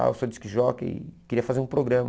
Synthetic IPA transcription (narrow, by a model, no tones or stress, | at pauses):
a̰wsod͡ʒiskɪʒɔɡɐ̰ḭkeɾiɐfazeɾũpɾoɡɾɐ̃mɐ